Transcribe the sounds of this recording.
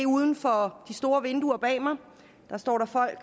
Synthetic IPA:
euːðˠn̩fɒ̽d̥isd̥o̝ːɐʋe̝nd̥uɐb̥ɛ̰ːmɑ̈ɪ | d̥ɑ̈sd̥ɒ̰ːɾɑ̈fɒ̽l̰ɡ̥

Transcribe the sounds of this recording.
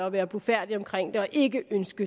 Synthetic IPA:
ɒʋæːɐb̥lofæɐ̰d̥iɒ̽mkʰʁeŋ̰d̥e̝ɒ̽ʔe̝ɡəʔønsɡ̥ə

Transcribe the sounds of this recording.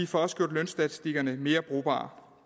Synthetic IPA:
ifɒ̽ɒ̽sə̥ɡ̥jo̰ːd̥lønsd̥æt͡sʰi̥sd̥iɡ̥ɐnəme̝ːɐb̥ʁo̝̰ːb̥ɑ̰̈ː

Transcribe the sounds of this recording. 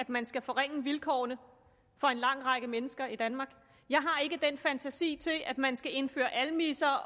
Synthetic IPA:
æd̥mænsɡ̥æfɒʁeŋ̰əʋilkʰɒ̰ːnə | fɒ̽e̝nlɑ̈ŋ̰ʁɑ̈ɡ̥əmenəsɡ̥ɐid̥ænmɑ̈ːɡ̥ | jɑ̈ɪɦɑ̈e̝ɡ̥əd̥enfænt͡sʰæsḭːt͡sʰe̝lʔæd̥mænsɡ̥æe̝nfø̰ːɐʔælmḭsɐ

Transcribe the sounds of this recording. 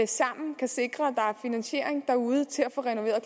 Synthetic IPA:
esɑ̈m̰n̩kʰæse̝ɡ̥ʁɐæd̥ɑ̈æɐfinænɕe̝̰ɐ̰eŋd̥ɑ̈uːð̞ˠt͡sʰe̝læfɔ̽ːʁɛno̝ʋe̝̰ːɐðˠkʰ

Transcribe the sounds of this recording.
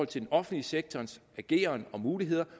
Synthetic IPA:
ɒ̽l̰t͡sʰe̝denɒ̽fn̩liseɡ̥̚t͡sʰɒːnsæɡ̥e̝̰ːɐnɒ̽muːliɦe̝ð̞̰ˠɐ

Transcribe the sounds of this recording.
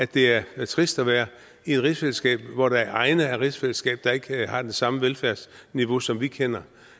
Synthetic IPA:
æd̥e̝æɐt͡sʰʁisd̥æʋæːɐ | ie̥ʁisfeləsɡ̥ɛ̰ːb̥ʋɒɾ̥ɑ̈æɐʔɑ̈ɪnəæʁisfeləsɡ̥ɛ̰ːb̥̚d̥ɑ̈e̝ɡ̥əhɑ̈d̥ensɑ̈məʋelfæɐsniʋo̝sɒ̽mʋikʰen̰ɐ

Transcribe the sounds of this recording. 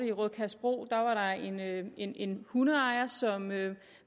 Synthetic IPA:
ɾəiʁɔðˠkʰæsb̥ʁo̝̰ːd̥ɑ̈ʋɑ̈ɾɑ̈e̝ne̝ne̝nhunəɑ̈ɪɐsɒ̽mø

